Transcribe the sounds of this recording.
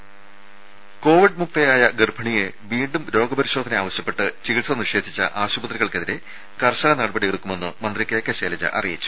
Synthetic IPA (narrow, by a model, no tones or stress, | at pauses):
ko̞ːʋiɖ̚muk̚t̪ɐjaːjɐɡerbʱɐɳije | ʋiːɳɖumɾo̞ːɡɐbɐɾiɕo̞ːd̪ʱɐneaːʋɐɕjɐpːe̞ʈːɨt͡ɕiɣiʈsɐnirʂe̞ːd̪ʱit͡ɕːɐ̰ʔaːɕubɐt̪riɣɐɭke̞ðiɾe | kɐrɕɐːɐnɐɽɐbɐɽieɣɽukːume̞nːɨmɐnd̪rikːeːkːeɕeːlɐd͡ʑɐ̰ʔɐ̰rijit͡ɕːu̥